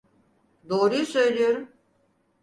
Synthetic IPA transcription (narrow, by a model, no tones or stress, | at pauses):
d̪oːɾujusø̞jlʲijo̞ɾum